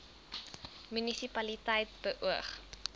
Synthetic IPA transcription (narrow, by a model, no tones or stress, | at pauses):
mynisipɐlitəjt̚b̥əʔuəχ